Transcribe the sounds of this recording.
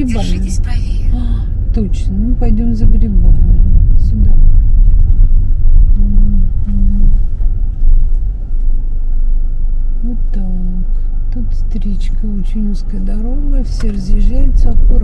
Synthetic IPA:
ɪba | t̪ot͡ɕnəmɨpɐjdʲomzəɾʲɪbanʲəsʲʊd̪ad̪ | nut̪a | t̪ut̪st̪ɾʲit͡ɕkəot͡ɕɪnʲiskəjəd̪ɐɾoɡəfsʲerəzʲjɪʐajʊt̪səɐkoɾ

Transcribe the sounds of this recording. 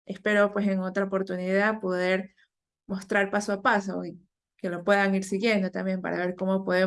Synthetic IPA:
e̞spe̞ɾo̞pwe̞se̞ŋo̞t̪ɾaopo̞ɾt̪uniðapo̞ðe̞ɾ | mo̞st̪ɾaɾpasoapaso̞̰i | ke̞lopwe̞ðaŋiɾsiɣje̞nd̪o̞t̪ambje̞mpa̰ɾa̰β̞e̞ɾko̞mo̞po̞ðe

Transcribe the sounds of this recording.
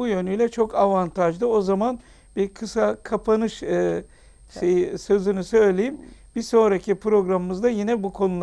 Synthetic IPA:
ujø̞nyjlʲɛt͡ʃʰo̞kʰavant̪ʰaʒd̪ɯo̞zaman | biɾkʰɯsakʰapʰanɯʃɯ | sesø̞zynysø̞jlʲe̞jimb̥iso̞nɾacʰipʰɾo̞ɡɾamɯmɯzd̪ajinɛbukʰo̞nulˠ

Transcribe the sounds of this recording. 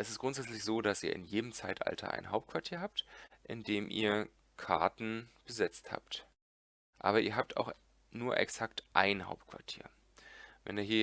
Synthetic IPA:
ʔɛsɪstɡ̥ʁʊntz̥ɛt͡slɪçz̥oːdasiːɐʔɪ̰njeːdəmt͡saɪtʔa̰ltʰɐ̰ʔa̰ɪnɦaʊp̚t̚kʰv̥aɐtʰiːɐɦaːp̚tʔɪndeːmʔḭːɐ | kʰaɐtn̩b̥əzɛt͡stha̰ːpt | ʔa̰ːbɐʔiːɐɦaːp̚tʰa̰ʊx | nuːɐʔɛ̰ksaktʔaɪnha̰ʊp̚t̚kv̥aɐtʰi̥ːɐ | vɛ̰niːɐɦiːɐ

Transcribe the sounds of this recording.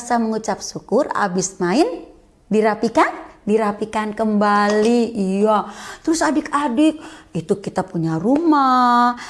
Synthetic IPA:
saməŋut͡ʃap̚sukʊra̰bɪsmaɪn | diɾapikandiɾapikankəmbaliijat̪əɾʊsadɪkadɪk̚it̪ukit̪apuɲaruma

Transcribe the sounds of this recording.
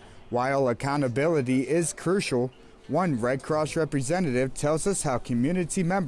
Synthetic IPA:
waɪlˠəkʰãʊ̃ñtɨbɪlˠəɾiɪz̥kʰɹ̥ʉʃl̩ˠ | wʌ̃nɹɛɪd̚kʰɹ̥ɔsɹɛpɹɨzɛ̃nɨɾɪv̥tʰɛlˠzʌshaʊkʰɨmjʉnɨɾimɛ̃mb

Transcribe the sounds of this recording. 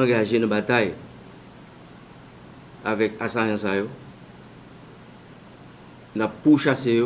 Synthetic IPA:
ãɡaʒenə̃bat̪aj | avɛkasajɑ̃sajo | napːuʃasejo

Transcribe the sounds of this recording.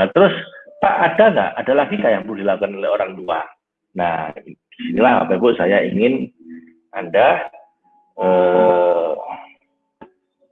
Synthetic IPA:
at̪əɾʊspaʔad̥aŋɡaʔadalaɡikajaŋbludilakukanolɪoɾaŋd̪ua | nah | sinilaa̰pabʊʔsajaḭŋɪn | anda | ə

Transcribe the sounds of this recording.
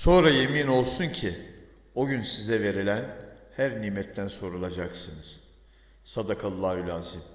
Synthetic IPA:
so̞nɾaje̞mino̞lˠsuncʰi | o̞ɟynsizɛve̞ɾilʲæn | hæɾniːmɛt̪ʰːænso̞ɾulˠad͡ʒaksɯnɯz̥ | sad̪akʰalˠːaːhylʲaːzim

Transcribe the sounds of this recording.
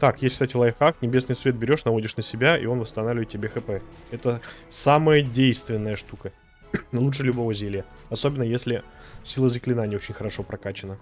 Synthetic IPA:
t̪akjesʲkst̪atʲɪlˠajxaknʲɪbʲe̞snɨjsvʲe̞t̪̚bʲɪɾʲo̞ʂnɐvo̞dʲɪʂnəsʲɪbʲaḭo̞nvəst̪ɐnavlʲvəɪt̪tʲːɪbʲexɨpɛ | ɛt̪əsaməjədʲejst̪vʲɪnːəjəʂt̪ukə | lˠutʂɨlʲʊbovəzʲilʲɪjə | ɐso̞bʲɪnːəjesʲlʲɪ | sʲilˠəzəklʲɪnanʲɪo̞t͡ɕɪnʲxəɾɐʂo̞pɾɐkat͡ɕɪnə

